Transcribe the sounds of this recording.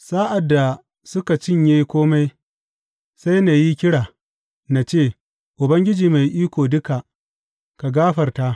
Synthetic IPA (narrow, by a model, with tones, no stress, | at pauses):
saː˦ʔa˨dːa˨ | sʊ˦ka˨t͡ʃɪ˦ɲjeː˦kʷoː˦ma˦j | sa˦jna˨ji˦kʲɪ˦ɽaː˨ | na˨t͡ʃeː˦˨ | ʔʊ˨bɐ˦ŋɡʲɪ˦d͡ʒiː˨ma˨jʔiː˦kʷoː˨dʊ˦ka˨ʔ | ka˨ɡaː˦ɸɐ˨rta˦ʔ